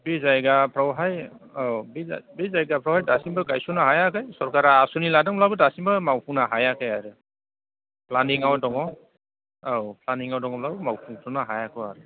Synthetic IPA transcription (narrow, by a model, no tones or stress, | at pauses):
bizajɡapʰɾawɦajabibizajɡapʰɾɔwhajdasimbɯɡajsunaɦajakajsɔɾkaɾaːsuniladaŋblabɯdasimbɯmawpʰuŋnaɦajakʰajaɾɯ | planiŋawdɔŋɔ | awpʰlaniŋawdɔŋɔblabɯmawpʰuŋsɔnaɦajakʰɔaɾɯ